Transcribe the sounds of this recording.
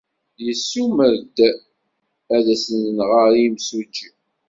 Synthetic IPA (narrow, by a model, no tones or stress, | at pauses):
jəsːuməɾd̪ | æðæsənnʁəɾimsud͡ʒi